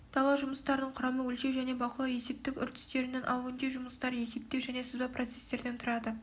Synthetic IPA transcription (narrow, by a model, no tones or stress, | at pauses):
t̪ʰɑlˠɑʒʊməst̪ɑɾənəɴqʰʊɾɑməwɵlʃe̞wʒæne̞bɑqəlˠɑwje̞se̞p̚t̪ɪkʲʏ̰ɾt̪ʰɪ̥st̪e̞ɾɪnenʔɑ̰lˠuɪnd̪eʒʊməst̪ɑɾje̞se̞p̚t̪e̞wʒæne̞səzbɑprʔo̞t̪se̞̥st̪e̞ɾd̪e̞nt̪ʰʊɾɑd̪ə